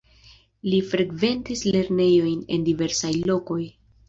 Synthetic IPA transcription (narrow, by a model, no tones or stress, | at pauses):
lifɾeɡve̞ntisle̞ɾne̞jo̞jne̞̰ndive̞ɾsajlo̞ko̞j